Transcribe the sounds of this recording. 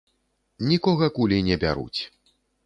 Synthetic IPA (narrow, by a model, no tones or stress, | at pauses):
nʲikɔɣɐkulʲinʲɛbʲa̰ɾṵt͡sʲ